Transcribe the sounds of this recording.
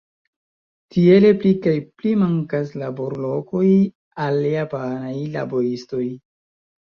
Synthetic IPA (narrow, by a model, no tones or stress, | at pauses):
tie̞le̞plikajplimaŋkaslabo̞ɾlo̞ko̞j | aljapanajla̰bo̞ɾisto̞j